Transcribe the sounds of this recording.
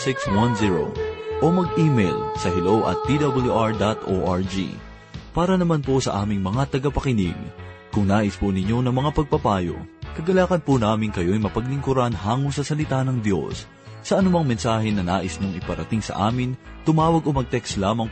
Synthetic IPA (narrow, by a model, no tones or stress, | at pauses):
sɪkswanziɹo̰ʔomɐɡ̚ʔiːmɛjlsɐɦɛlowʔɐ̰t̪̚pid̪ɐbɐljuʔaɹd̪at̪ʔo̰ʔaɹd͡ʒḭ | paːɾɐnɐmanposɐ̰ʔaːmɪŋmɐŋat̪ɐɡɐpɐkɪnḭɡ̚kʊŋnaːʔɪspʊnɪɲo̞nɐŋmɐŋapɐɡ̚pɐpaːjo̰kɐɡɐlaːkɐnpʊnaːmɪŋkɐjo̞jmɐpɐɡlɪŋkʊɾanhaːŋoŋsɐsɐlɪt̪anɐŋd̪jo̞̰sː | ɐʔɐnʊmaŋmɛnsaːɦɛnɐnaːʔɪsnoŋɪpɐɾɐt̪ɪŋsɐ̰ʔa̰ːmɪn | t̪ʊmaːwɐɡo̞mɐɡ̚t̪ɛkslaːmɐŋ